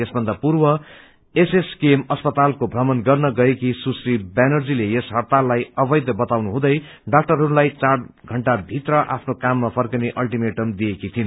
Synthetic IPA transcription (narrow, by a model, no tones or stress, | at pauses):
esbʱʌnd̪apurbʌ | eseskemʌspʌt̪alkobʱrʌmʌnɡʌrnʌɡʌekisusribanʌrd͡zilejesɦʌrt̪alːajʌbʌjd̪ʌbʌt̪awnuɦũd̪ʌj | ɖak̚ʈʌrɦʌɾulajt͡saɽɡʱʌɳʈabʱit̪rʌʔa̰pʰnokamːapʰʌrkʌneʔʌlʈimeʈʌmd̪iekit̪ʰin